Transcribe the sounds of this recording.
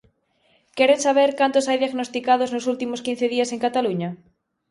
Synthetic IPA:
keɾesaβeɾkant̪osajðjaɣnost̪ikaðoznosult̪imoskin̟θeðiaseŋkat̪aluɲa

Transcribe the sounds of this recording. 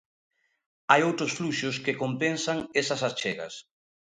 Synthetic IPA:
ajowt̪ɾʊsfluʃʊskekompensaŋesasast͡ʃeɣɐ̰s

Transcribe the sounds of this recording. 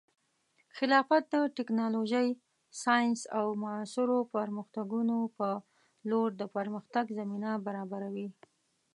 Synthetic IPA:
xɪlɑfat̪̚d̪əʈɪknɑloʒəj | sɑjɪnsawmasʊɾopəɾməxt̪aɡunopə | loɾd̪əpəɾməxt̪aɡzaminabaɾɑbaɾawi

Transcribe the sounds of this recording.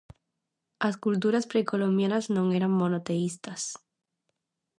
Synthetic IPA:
askult̪̬uɾaspɾekolo̞mbjanaznõ̞ŋeɾaŋmo̞not̪eist̪as

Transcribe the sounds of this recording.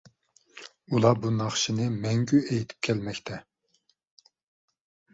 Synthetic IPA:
ulˠɑbunɑχʃinɨmɛŋɡʲyʔejt̪ʰɪ̥p̚kʲʰɛlmɛkʲt̪ʰɛ

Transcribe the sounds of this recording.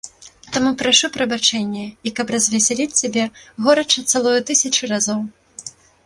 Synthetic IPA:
t̪amupɾaʂupɾɐbat͡ʂɛnʲːɛikɐprɐzvʲɛsʲɛlʲit͡sʲsʲabʲɛɣɔɾɐt͡ʂɐt̪salˠɔjut̪ɨsʲɐt͡ʂɨrazɔw

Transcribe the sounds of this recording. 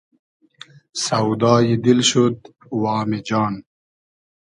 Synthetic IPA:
sawd̪ɑːjid̪ilɕud̪ | wɑːmid͡ʑɑːn

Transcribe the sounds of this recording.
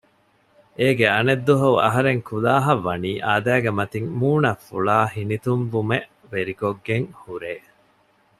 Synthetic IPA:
eːɡeɐned̪ːuɦɐuʔɐ̰ɦɐɾeŋkʰulaːɦɐʋːɐniːʔaːd̪æːɡemɐt̪iŋmuːnɐfuɭaːhinit̪umbumeʔ | ʋeɾikoɡːeŋhuɾeː

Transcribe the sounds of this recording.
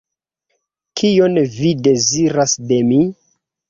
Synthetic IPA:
kʰio̞nvide̞ziɾasde̞mi

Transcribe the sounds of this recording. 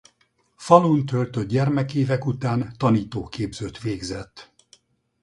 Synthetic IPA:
fɒlunt̪ølt̪ød̪ɟɛrmɛkeːvɛkut̪aːnt̪ɒniːt̪oːkeːbzøt̪ʋeːɡzɛt̪ː

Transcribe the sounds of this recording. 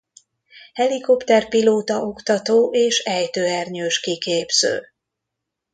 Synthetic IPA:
hɛliko̞pt̪ɛrpiloːt̪ɒo̞kt̪ɒt̪oːʔeːʃɛjt̪øːɛrɲøːʃkikeːbz̥ø̰ː

